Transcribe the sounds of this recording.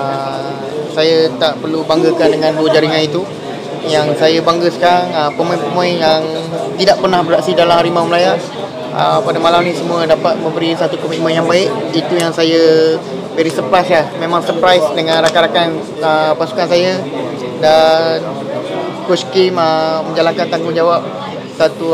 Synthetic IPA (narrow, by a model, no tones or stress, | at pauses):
ə | sajat̪aʔpərlubaŋɡəkandəŋãnduəd͡ʒaɾiŋãnit̪u | jaŋsajabaŋɡəsə̥kaɾaŋəpəmõipəmoinjaŋt̪idaʔpərnahbəɾaʔsidalamhaɾimawməlaja | ə̰padamalamnĩsəmũədapat̪̚mə̃mbəɾisat̪ukomit̪̚mənjaŋbaɪk̚it̪ujaŋsajə | bəɾisərpɾajslahmẽmãŋsərpɾajsdəŋanɾakaɾakan | əpasu̥kansajə | dan | kuskiməmə̃ɲd͡ʒalaŋkant̪aŋɡʊhd͡ʒawap̚ | sat̪u